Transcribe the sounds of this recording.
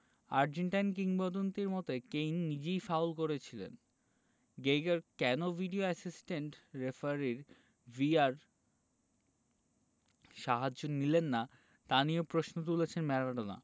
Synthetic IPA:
aɾd͡ʑeɳʈajnkiŋbɔd̪ont̪iɾmɔt̪ekejnːid͡ʑejfawlkoɾet͡ɕʰilḛn | ɡejɡaɾkɛnovʱiɖioɛsisʈeɳʈɾefaɾiɾ | viaɾ | ʃaɦad͡ʑonilenːa | t̪aniopɾosnot̪̬ulet͡ɕʰenmɛɾaɖona̰

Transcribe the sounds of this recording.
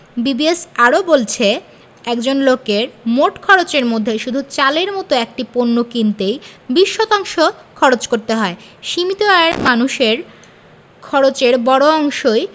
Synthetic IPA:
bibiesaɾobolt͡ɕʰe | ɛkd͡ʑonlokeɾmoʈkʰɔɾot͡ɕeɾmod̪ʱːeʃud̪ʱut͡ɕaleɾmɔt̪oek̚ʈiponːokint̪ejbiʃːɔt̪aŋʃokʰɔɾot͡ɕkoɾt̪eɦɔeʃimit̪oaeɾmanuʃeɾ | kʰɔɾot͡ɕeɾbɔɽoɔŋʃoj

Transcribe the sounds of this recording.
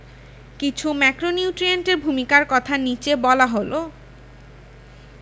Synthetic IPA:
kit͡ɕʰumɛkɾoniuʈɾieɳʈeɾbʱumikaɾkɔt̪ʰanit͡ɕebɔlaɦolo

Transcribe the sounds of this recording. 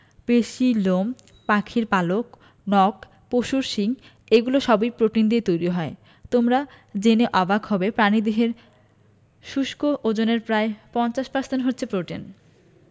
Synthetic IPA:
peʃilom | pakʰiɾpalok | nɔk | poʃuɾʃiŋ | eɡuloʃɔbojpɾoʈind̪iet̪ojɾiɦɔe | t̪omɾa | d͡ʑeneʔɔbaɡɦɔbepɾanid̪eɦeɾ | ʃuʃkoʔod͡ʑoneɾpɾaepɔnt͡ɕaʃpaɾst̪enɦotːɕʰepɾoʈin

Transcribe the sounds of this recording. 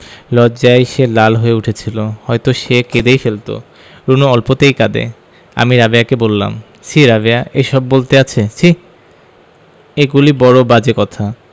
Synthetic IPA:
lɔd͡ʑaeʃelalɦoeuʈʰet͡ɕʰilohɔjt̪oʃeked̪ejfelt̪o̰ | ɾunoɔlpot̪ejkad̪ḛ | a̰miɾabeakebolːa̰m | ʃiɾabeaʔeʃɔbːolt̪eat͡ɕʰeʃi | eɡulibɔɾobad͡ʑekɔt̪ʰa

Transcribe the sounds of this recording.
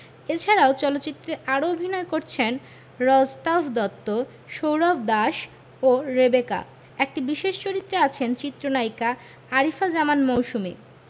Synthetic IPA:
et͡ɕʰaɾaot͡ɕɔlot̪ːɕit̪ːɾeʔaɾoobʱinɔekoɾt͡ɕʰen | ɾɔd͡ʑt̪afd̪ɔt̪ːo | ʃowɾɔbd̪aʃ | oɾebeka̰ | ek̚ʈibiʃeʃt͡ɕoɾit̪ːɾeat͡ɕʰent͡ɕit̪ːɾonajka | aɾifad͡ʑamanmowʃumḭ

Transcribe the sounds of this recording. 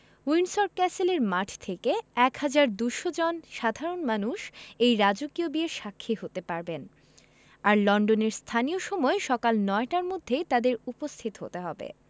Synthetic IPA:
uinsoɾkɛseleɾmaʈʰt̪ʰekeɛkhad͡ʑaɾd̪uʃod͡ʑɔnʃad̪ʱaɾonmanuʃejɾad͡ʑokiobieɾʃakʰːiɦot̪epaɾben | aɾlɔɳɖoneɾst̪ʰanioʃɔmɔeʃɔkalnɔeʈaɾmod̪ʱːet̪ad̪eɾupost̪ʰit̪oɦo̰t̪eɦɔbḛ

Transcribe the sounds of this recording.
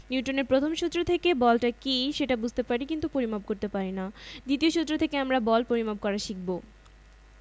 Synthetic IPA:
niuʈoneɾpɾot̪ʰomʃut̪ːɾot̪ʰekebɔlʈakiʃeʈabud͡ʑʱt̪epaɾikint̪upoɾimab̚koɾt̪epaɾinad̪it̪ioʃut̪ːɾot̪ʰekeamɾabɔlpoɾimab̚kɔɾaʃik̚bo

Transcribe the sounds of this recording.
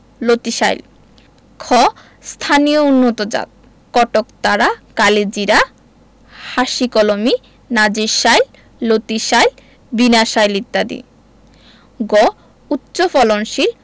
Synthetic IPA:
lot̪iʃa̰jl | kʰɔ | st̪ʰanijounːot̪od͡ʑa̰t̪̚ | kɔʈokt̪aɾakaled͡ʑiɾa | haʃikɔlomi | nad͡ʑiɾʃajl | lot̪iʃajl | binaʃajlit̪ːad̪ḭ | ɡɔ | utːɕofɔlonʃil

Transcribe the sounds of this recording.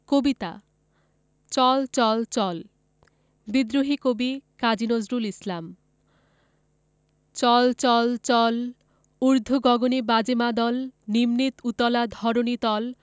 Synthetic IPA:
kobit̪a̰ | t͡ɕɔlt͡ɕɔlt͡ɕɔl | bid̪ɾoɦikobikad͡ʑinozɾulislam | t͡ɕɔlt͡ɕɔlt͡ɕɔl | uɾd̪ʱuɡɔɡonibad͡ʑemad̪ɔlnimnit̪ut̪ɔlad̪ʱɔɾonit̪ɔl

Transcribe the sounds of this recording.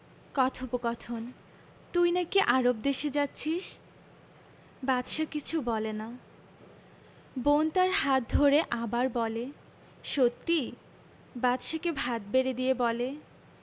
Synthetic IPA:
kɔt̪ʰopokɔt̪ʰon | t̪ujnakiʔaɾob̚d̪eʃed͡ʑatːɕʰiʃ | bat̪ʃakit͡ɕʰubɔlena | bont̪aɾɦat̪̚d̪ʱoɾeʔabaɾbɔle | ʃot̪ːi | bat̪ʃakebʱat̪̚beɾed̪ijebɔle

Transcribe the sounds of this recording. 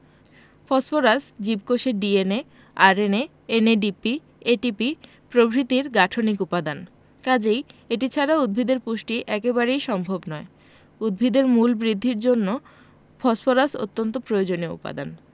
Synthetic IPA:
fɔsfoɾasd͡ʑibkoʃeɖiene | aɾene | eneɖipi | eʈipi | pɾobʱɾit̪iɾɡaʈʰonikupad̪an | kad͡ʑejeʈit͡ɕʰaɾaud̪̚bʱid̪eɾpuʃʈiʔɛkeβaɾejʃɔmbʱobnɔe | ud̪̚bʱid̪eɾmulbɾid̪ʱːiɾd͡ʑonːo | fɔsfoɾaso̰t̪ːont̪̬opɾojod͡ʑoneoṵpa̰d̪a̰n

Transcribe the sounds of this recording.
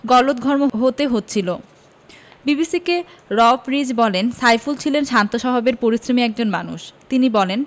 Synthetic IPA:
ɡɔlot̪̚ɡʱɔɾmoɦot̪eɦot̪ːɕʰilo | bibisikeɾɔfɾid͡ʑbɔlensajfult͡ɕʰilenʃant̪oʃɔɦobeɾpoɾisɾomiɛk̚d͡ʑonmanuʃt̪inibɔlen

